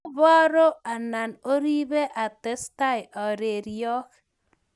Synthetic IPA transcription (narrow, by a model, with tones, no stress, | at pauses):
bɔ˦ɾo˦a˨na˨no˦ɾi˦be˦ʔa˨te˦sta˦jʔɔ˨ɾe˨ɾiɔ˦k